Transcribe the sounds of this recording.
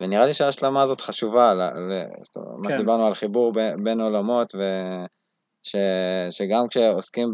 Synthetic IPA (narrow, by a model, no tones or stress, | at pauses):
veniʁaliʃeaːʃlamaːzo̞t̪χaʃuvala̰lest̪o̰maʃed̪ibaʁnualχibuʁbebe̞no̞lamo̞t̪ve | ʃeʃeɡamkʃe̞oskim